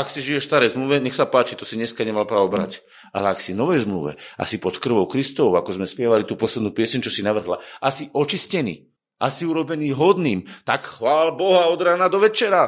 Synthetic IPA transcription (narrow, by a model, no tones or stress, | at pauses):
aksiʒijɛʃst̪aɾɛjzmluʋɛɲɛxsapaːt͡ʃit̪ɔsiɲɛskaɲɛmalpɾaɔbɾa̰c | a̰lɛaksinɔʋɛjzmlṵʋɛ̰ʔa̰sipɔt̪kr̩ʋɔʊkɾist̪ɔɔʊakɔzmɛspɪɛʋalit̪uːpɔslɛd̪nuːpɪɛsɛɲʊt͡ʃɔsinaʋr̩ɦla̰ʔasiʔɔt͡ʃiscɛnḭː | ʔasiuɾɔbɛniːɦɔd̪niːmt̪akxʋaːlbɔɦaɔd̪ɾaːnad̪ɔʋɛt͡ʃɛɾa